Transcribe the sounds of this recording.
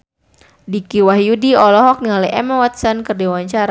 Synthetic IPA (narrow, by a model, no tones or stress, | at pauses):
dikiwahjudiɔlɔɦɔk̚nialɛɛmawat̪sɔnkərdiwaɲt͡ʃaɾa